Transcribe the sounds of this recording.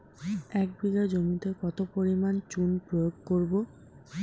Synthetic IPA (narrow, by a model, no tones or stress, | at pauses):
ɛk̚biɡad͡ʑomit̪ekɔt̪opoɾimant͡ɕunpɾojoɡkoɾbo